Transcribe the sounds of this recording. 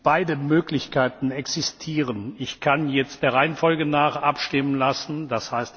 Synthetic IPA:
b̥aɪdəmøːklɪçkʰaɪtn̩ɛksɪstʰiːʁənɪçkʰanjɛt͡st̚d̥eːɐʁaɪənfɔlɡənaːχʔapʃtɪmənlasn̩d̥ashaɪst

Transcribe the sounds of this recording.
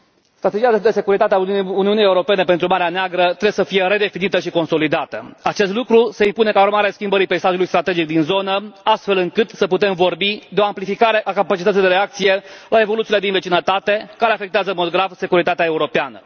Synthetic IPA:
st̪ɾat̪e̞d͡ʒijad̪d̪ese̞kuɾit̪at̪eauniunijeuɾo̞pe̞nepe̞nt̪ɾumaɾeaneaɡɾət̪ɾebjesəfije̞ɾe̞d̪e̞finit̪əʃiko̞nso̞lid̪at̪əat͡ʃe̞st̪lukɾuse̞impune̞kauɾmaɾeaskʲimbəɾipejsaʒjulujst̪ɾat̪e̞d͡ʒik̚d̪inzo̞nəast̪fe̞lɨŋkɨt̪səput̪e̞mvo̞rbid̪eo̞amplifikaɾe̞ʔakapat͡ʃit̪ət̪sijd̪eɾeak̚t̪sije̞lʔae̞vo̞lut̪sile̞d̪invet͡ʃinət̪at̪e̞kaɾeafe̞k̚t̪eazəmot̪oɡɾafse̞kuɾit̪at̪eae̞uɾo̞peanə̰

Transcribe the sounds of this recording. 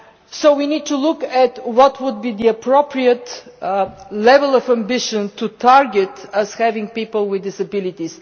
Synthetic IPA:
soʊwinid̚tulʊkɛtwɔtʰwʊd̪̚bid̪iəpʰɹopɹiət̪ | lɛvəlˠɔvə̃mbɪʃə̃ntʰutʰaɹɡət̪əz̥hævɪ̃ŋpipəlˠwɪðdɪsəbɪlɪt̪is

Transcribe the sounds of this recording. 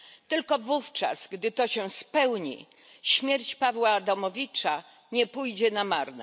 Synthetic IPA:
t̪ɘlkɔvuft͡ʂa̰sɡd̪ɘt̪ɔɕɛspɛwɲḭ | ɕmʲjɛɾt͡ɕpavwaːd̪amɔvʲit͡ʂa | ɲɛpujd͡ʑɛnamaɾnɛ̰

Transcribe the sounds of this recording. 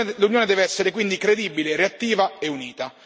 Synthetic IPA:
lunjoːned̪ɛːveɛsːeɾekwind̪ikɾed̪ibilereat̪ːiːvaeuniːt̪a

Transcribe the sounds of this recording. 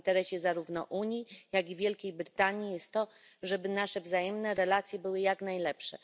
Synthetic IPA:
nt̪ɛɾɛɕɛzaɾuvnɔ̰ʔuɲijaɡivʲjɛlkʲejbɾɘt̪aɲijɛst̪ːɔ | ʐɛbɘnaʂɛvzajɛmnɛɾɛlat̪sʲjɛbɘwɘjaknajlɛpʂɛ̰

